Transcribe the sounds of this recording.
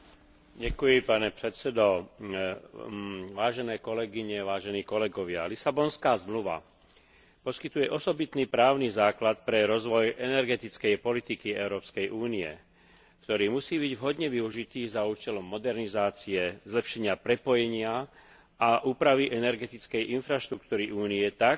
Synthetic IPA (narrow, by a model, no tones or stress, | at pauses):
ɟɛkujipanɛpɾɛt̪sɛd̪ɔ | ʋaːʒɛnɛːkɔlɛɡiɲɛʋaːʒɛniːkɔlɛɡɔʋɪa̰lisabɔnskaːzmluʋa̰ | pɔskit̪ujɛʔɔsɔbit̪niːpɾaːʊnizaːklat̪pɾɛɾɔzʋɔjʔɛnɛɾɡɛt̪it͡skɛjpɔlit̪ikiɛ̰ʊɾɔːpskɛjʔuːniɛ̰ | kt̪ɔɾiːmusiːbiɟʋɦɔd̪ɲɛʋiuʒit̪iːzauːt͡ʃɛlɔmːɔd̪ɛɾnizaːt͡siɛzlɛpʃɛɲɪapɾɛpɔjɛɲɪa | aʔuːpɾaʋiʔɛnɛɾɡɛt̪it͡skɛjʔinfɾaʃt̪ɾukt̪uːɾiʔuːniɛt̪ak